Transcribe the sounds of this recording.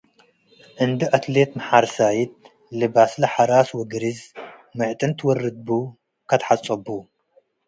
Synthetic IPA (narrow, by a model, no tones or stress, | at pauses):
ʔɨnd̪ɨʔat̪let̪mɐħaɾsajit̪̚ | lɨbaslɐħaɾaswɔɡɨɾiz | mɨʕt̪ʼɨnt̪ʰɨwɔrɨd̪̚bu | kʰat̪ħat͡sʼɐbu